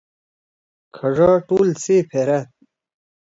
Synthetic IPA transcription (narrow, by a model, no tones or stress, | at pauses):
kʰɐʐaːʈuːlsipʰeɾat̪̚